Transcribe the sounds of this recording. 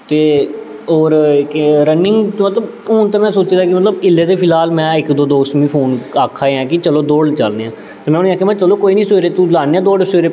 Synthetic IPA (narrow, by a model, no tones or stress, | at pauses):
t̪eː | oːɾkɾənːɪ̃ŋɡt̪ːmət̪ləb | oːnt̪aːmɛ̃ːsoːt͡ʃeːd̪aːkɪmət̪ləbɪlːeːt̪eːpʰɪlaːlmɛ̃ːɪkd̪oːd̪oːsmĩːpʰoːnaːkʰːaːeãːkɪt͡ʃəloːd̪oːɽt͡ʃəlneãː | t̪eːmɛ̃nĩːaːkʰeːmɛ̃ːt͡ʃəloːkoːiːnĩːsoɾeːt̪ulaːneːãːd̪oːɽesoɾeː